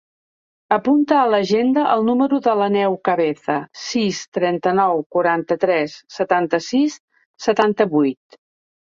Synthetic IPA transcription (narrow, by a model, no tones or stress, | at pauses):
əpunt̪əːləʒend̪əʔəlˠnuməɾuðələnɛwkəβɛθəsist̪ɾɛnt̪ənɔwkuɾant̪ət̪ɾɛsːət̪ant̪əsisː | ət̪ant̪əβujt̪